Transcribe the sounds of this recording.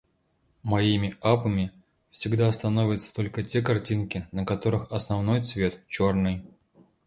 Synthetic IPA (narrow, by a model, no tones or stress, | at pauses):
mɐimʲɪapəmʲɪ | fsʲɪɡd̪ast̪ɐno̞vʲɪt̪sə̥t̪o̞lʲkətʲe̞kɐrtʲinkʲɪnəkɐt̪o̞ɾɨxɐsnɐvno̞jt̪svʲe̞t̪t͡ɕo̞rnɨj